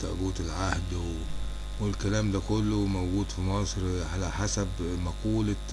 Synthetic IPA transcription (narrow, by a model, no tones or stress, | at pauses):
t̪æ̰ʔbuːt̪elʕahd̪ | welkælæːmd̪ækolːomowɡuːd̪fimɑːsˤɾʕalæħasæbmɑquːl